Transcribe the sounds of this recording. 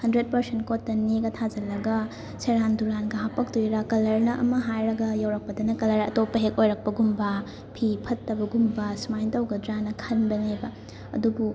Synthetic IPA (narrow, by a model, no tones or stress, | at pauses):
hɐndɾet̚pɐɾsent̚kotːɐneɡɐtʰad͡ʒɐlɐɡɐ | seɾanduɾanɡɐɦapɐk̚tujɾɐkɐlɐɾnɐʔɐ̰mɐɦajɾɐɡɐjawɾɐk̚pɐdɐnɐkɐlɐɾɐ̰topːɐɦekojɾɐk̚pɐɡumbɐ | pʰipʰɐtːɐbɐɡumbɐsmajntawɡɐd͡ʒɾanɐkʰɐnbɐŋajbɐ | ɐ̰dubu